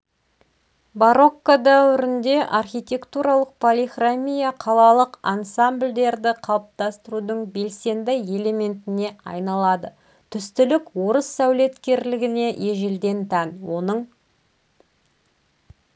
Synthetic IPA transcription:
baɾo̞kːad̪æwɪɾɪnd̪e̞ʔarxʲijt̪ʲe̞kt̪uɾɑlˠəq̚pʰolʲixramʲijaqʰɑlˠɑlˠəqɑnsambld̪e̞ɾd̪ɪqʰɑlˠəp̚t̪ɑst̪əɾud̪əɴbe̞lse̞nd̪ɪje̞le̞me̞nt̪ɪne̞ɑ̰jnɑlˠɑd̪ə | t̪ʰʏst̪ʏlɪkwo̞ɾəsːæwle̞t̪kʲe̞ɾlɪɡʲɪne̞ʔje̞ʒeld̪e̞nt̪ʰænwo̞nəɴ

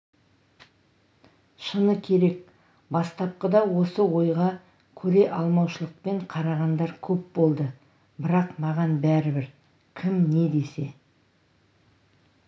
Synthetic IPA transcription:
ʃənəkʲʰe̞ɾe̞k̚ | bɑst̪ɑp̚qəd̪ɑwo̞səwo̞jʁɑ | kʲʰɵɾe̞ʔɑlˠmɑwʃəlˠəq̚pe̞ɴqʰɑɾɑʁɑnd̪ɑɾkʲʰɵp̚bo̞lˠd̪ə | bɪɾɑqmɑʁɑnbæɾɪbɪɾ | kʲʰɪmne̞d̪e̞se̞

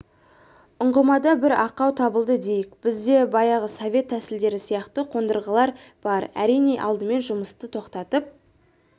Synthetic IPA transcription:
ʊɴʁəmɑd̪ɑbɪɾɑqːɑwt̪ʰɑbəlˠd̪əd̪e̞jɪkb̥ɪzd̪e̞bɑjɑʁəso̞vʲe̞t̪ʰːæsɪld̪e̞ɾɪsijɑqt̪əqʰo̞nd̪əɾʁəlˠɑɾb̥ɑɾæ̰ɾijne̞ʔɑ̰lˠd̪əme̞nʒʊməst̪ət̪ʰo̞qt̪ɑt̪əp̚

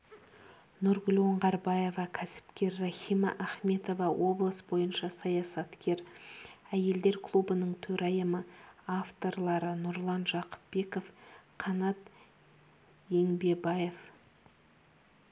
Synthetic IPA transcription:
nʊɾɡʏlʲwo̞ɴʁɑɾbɑje̞vɑkʲʰæsɪ̥pkʲe̞ɾːɑχijmɑ̰ʔæχme̞t̪o̞vɑwo̞blˠəsbo̞jənʃɑsɑjɑsɑt̪kʲe̞ɾ | æje̞ld̪e̞ɾkʰlˠubənəɴt̪ʰɵɾɑjəməaft̪o̞ɾlˠɑɾənʊɾlˠɑnʒɑqə̥p̚be̞ko̞fqʰɑnɑt̪ | je̞ŋbe̞bɑje̞f

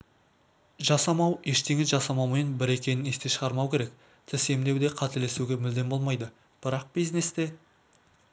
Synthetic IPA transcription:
ʒɑsɑmɑwje̞ʃt̪eŋɪzʒɑsɑmɑwmejnbɪɾe̞kʲe̞nɪne̞st̪e̞ʃəʁɑɾmɑwkʲʰe̞ɾe̞k̚ | t̪ʰɪse̞md̪e̞wd̪e̞qʰɑt̪ele̞suɡʲemɪld̪e̞mbo̞lˠmɑjd̪ə | b̥ɪɾɑq̚b̥ijzne̞st̪e̞

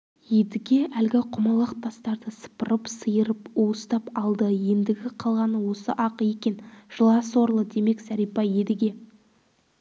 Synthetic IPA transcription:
je̞d̪ɪɡʲe̞ʔælɡʲɪqʰʊmɑlˠəqt̪ʰɑst̪ɑɾd̪əsə̥pəɾəpsəjəɾəpoəst̪ɑpɑlˠd̪əje̞nd̪ɪɡʲɪqʰɑlˠʁɑnəwo̞səʔɑqe̞kʲe̞nʒ̥əlˠɑswo̞ɾlˠəd̪e̞me̞ksæɾijpɑje̞d̪ɪɡʲe̞

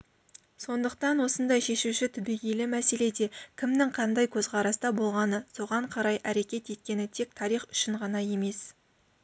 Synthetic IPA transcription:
so̞nd̪əq̚t̪ɑnwo̞sənd̪ɑjʃe̞ʃuʃɪt̪ʰɪbiɡʲelɪmæse̞le̞d̪e̞kʲʰɪmnɪŋqʰɑnd̪ɑjkʲʰɵzqɑɾɑst̪ɑbo̞lˠʁɑnəso̞ʁɑɴqʰɑɾɑjʔæɾe̞kʲe̞t̪e̞t̪̚kʲe̞nɪt̪ʰe̞k̚t̪ʰɑɾijχʏ̥ʃɪɴʁɑnɑje̞me̞s

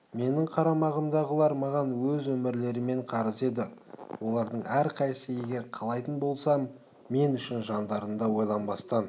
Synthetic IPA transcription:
me̞nɪɴqʰɑɾɑmɑʁəmd̪ɑʁəlˠɑɾmɑʁɑnwɵzwɵmɪɾle̞ɾɪme̞ɴqʰɑɾəze̞d̪ɪwo̞lˠɑɾd̪əɴæɾqʰɑjsəje̞ɡʲe̞ɾqʰɑlˠɑjt̪ənbo̞lˠsɑmː | e̞nʏʃɪnʒɑnd̪ɑɾənd̪ɑwo̞jlˠɑnbɑst̪ɑn

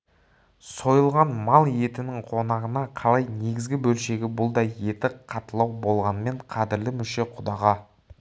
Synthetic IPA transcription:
so̞jəlˠʁɑnmɑlˠje̞t̪ɪnɪŋqʰo̞nɑʁənɑqʰɑlˠɑjne̞ɡʲɪzɡʲɪbɵlʃe̞ɡʲɪbʊlˠd̪ɑje̞t̪ɪqʰɑt̪əlˠɑwbo̞lˠʁɑnəme̞ɴqʰɑd̪ɪɾlɪmʏʃe̞qʰʊd̪ɑʁɑ

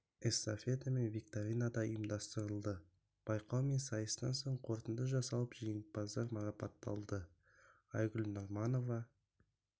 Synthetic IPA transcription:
esafʲe̞t̪ame̞nvik̚t̪aɾʲinad̪ɑəjəmd̪ɑst̪əɾəlˠd̪ə | b̥ɑjqɑwme̞nsɑjəst̪ɑ̰nso̞ɴqʰo̞ɾt̪ənd̪əʒɑsɑlˠəpʒejŋɪbɑzɑɾmɑɾɑpɑt̪ːɑ̰lˠd̪ə | ɑjɡʲʊlnoɾmɑno̞vɑ

